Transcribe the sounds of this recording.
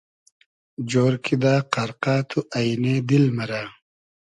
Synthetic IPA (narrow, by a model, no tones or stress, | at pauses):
d͡ʑoːɾkʰid̪aːqɐɾqaːt̪ʰuʔɐjneːd̪ilmɐɾaː